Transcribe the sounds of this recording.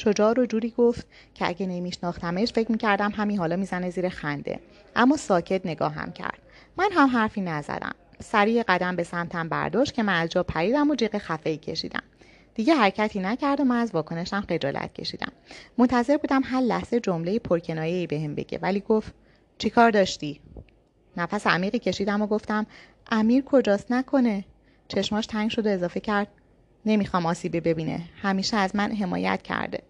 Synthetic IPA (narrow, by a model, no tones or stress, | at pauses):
ʃo̞d͡ʒɒːɾod͡ʒuːɾiːɡoft̪̚ | cʰeæ̰ɟenemiːʃnɒːxt̪æme̞ʃfecʰmiːcʰæɾd̪æmɦæmiːɦɒːlɒːmiːzæne̞ziːɾexænd̪ḛ | ʔæmːɒːsɒːcʰe̞t̪ne̞ɡɒ̰ːɦæ̰mcʰæ̰ɾd̪̥ | mænɦæmɦæɾfiːnæzæ̰d̪æ̰msæɾiːjeɢæd̪æmbe̞sæmt̪ʰæmbæ̰ɾd̪ɒːʃt̪̚cʰe̞mænæzd͡ʒɒːpʰæɾiːd̪æmod͡ʒiːɣexæfe̞iːcʰe̞̰ʃḭːd̪æ̰m | d̪̥iːɟeɦæɾecʰæt̪ʰiːnæcʰæɾd̪omænæzvɒːkʰo̞ne̞ʃæmχe̞d͡ʒɒ̰ːlʔæ̰t̪̚cʰe̞̰ʃiːd̪æ̰mːont̪ʰæze̞ɾbuːd̪æmɦæɾlæ̰hz̥e̞d͡ʒo̞mle̞jepʰoɾcʰe̞nɒːjeiːbe̞hembe̞̰ɟ̥ḛvæliːɡoft̪ | t͡ʃʰikʰɒːɾd̪ɒːʃt̪iː | næfæseæ̰miːɣiːcʰe̞ʃiːd̪æmoɡo̞ft̪æm | ʔæmiːɾkʰo̞d͡ʒɒːst̪nækʰo̞ne̞ | t͡ʃʰe̞ʃmɒːʃt̪ʰæŋɟʃo̞d̪oe̞zɒːfe̞cʰæɾd̪̥̚ | ne̞miːxɒːmɒːsiːbebe̞biːnḛhæmiːʃeæzmænɦe̞mɒ̰ːjæ̰t̪cʰæ̰ɾd̪ḛ